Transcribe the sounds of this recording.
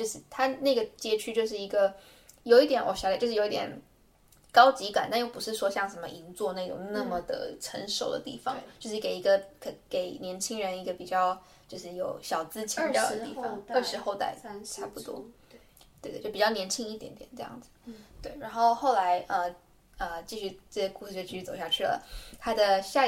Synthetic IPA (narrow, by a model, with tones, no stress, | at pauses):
t͡ɕjo˥˧ʊʂɻ̩˥˩t̪ʰa˥na˥˩ɡə˩t͡ɕjɛ˥˩t͡ɕʰy˥t͡ɕjo˥˧ʊʂ̬ɻ̩˥˩i˧˥ɡə˧ | jo˨˩ʊi˥˩t̪jɛ˨˥nwɔ̰˨˩ɕɑ˨˧˥lt͡ɕjʂo˧˦i˥˧t̪jʲɛ̰˨˩n | kɑ˥ʊt͡ɕi˧˥ka̰˨˩nt̪a˥˧njo˥˩pu˧˥ʂɻ̩˥˩ʂwɔ˥ɕjɑ˥˩ŋʂə˧˥nmə̰˧ʔi˧˥ŋt͡swɔ˥˧na˥˧˩ʈ͡ʂʊ̰˨˩ŋna˥˩mə˩d̪ə̰˩ʈ͡ʂʰə̰˧˥nʂo˨˩ʊd̪ə̰˦t̪ḭ˥˩fɑ̰˦ŋt͡ɕjo˥˧ʊʂ̬ɻ̩˥˩ke˨˩ɪi˧˥ɡə˧kke˨˩ɪnjɛ˧˥nt͡ɕʰi˥ŋɻə˧˥ni˧˥ɡə˨pi˨˩t͡ɕjɑ˥˩ʊ | t͡ɕjo˥˧ʊʂɻ̩˥˩jo˨˩ʊɕjɑ˨˩ʊt͡sɹ̩˥t͡ɕʰi˧˥jʊd̪ə˦t̪i˥˩fɑ˨˩ə˥˩ʂɻ̩˧˥xo˥˧ʊt̪a̰˥˩ɪʈ͡ʂʰa˥pu˧˩t̪wɔ̰˥ | t̪we˥˩˧jpi˨˩t͡ɕjɑ˥˩njɛ˧˥nt͡ɕʰi˥ŋi˥˩jɛ˧˥nt̪jɛ̰˨˩nʈ͡ʂɤ˥˧jɑ̰˥˩ŋd͡zɹ̩˩t̪we˥˩ɪɻa˧˥nxo˥˧ʊxo˥˩ʊla˧˥ɪʔə˧˩ | ə˩t͡ɕi˥˧ɕy˥˩ʈ͡ʂɕɛ˥˩ku˥˧ʂ̩˥˧˩t͡ɕi˥y˥t͡so˨˩ʊɕja˥˧t͡ɕʰy˥˩lə̰˩t̪ʰa˥d̪ə˨ɕja˥˧